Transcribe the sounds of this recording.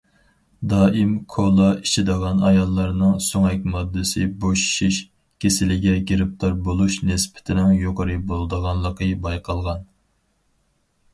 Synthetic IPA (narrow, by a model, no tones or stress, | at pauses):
d̪ɑːʔimkʰolˠɑiʃʰɪd̪əʁɑnɑjɑlˠːɑɾnɨŋsoŋɛk̚ʲmɑd̪ːɨsɨboʃʃiʃ | kʲʰesɪlɪɡʲɛɡʲeɾɪp̚t̪ʰoɾbolˠuʃnɪspʰɪ̥t̪ʰɪnɪŋjoqəɾɨbolˠd̪əʁɑnlˠəqʰəbɑjqʰɑlˠʁɑn